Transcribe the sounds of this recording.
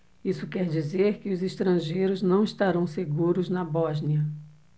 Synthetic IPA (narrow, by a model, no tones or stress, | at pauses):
isʊkɛɾd͡ʒizeɾkɪʊziʃt̪ɾɐ̃ʒejɾʊznɐ̃w̃iʃt̪aɾɐ̃w̃seɡuɾʊznɐbɔʒniɐ